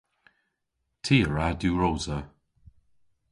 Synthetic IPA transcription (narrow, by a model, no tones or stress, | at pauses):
tʰiːəɹadjuɹoːzə